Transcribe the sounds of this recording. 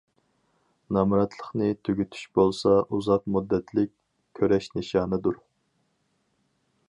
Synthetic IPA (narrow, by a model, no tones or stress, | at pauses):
nɑmɾɑt̪ʰlˠəχnɨt̪ʰyɡʲyt̪ʰy̥ʃbolˠsɑʔuzɑqmud̪ːɛt̪ʰlɪkʲ | kʲʰːøɾɛʃnɪʃɑːnɨd̪uɾ